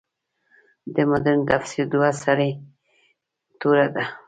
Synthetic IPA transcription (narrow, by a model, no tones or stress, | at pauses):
d̪emʊd̪ənt̪afsiɾd̪uwasaɾi | t̪uɾad̪a